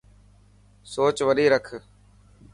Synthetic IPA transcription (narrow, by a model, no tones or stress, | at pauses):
soːt͡ʃʋəɗiːɾəkʰ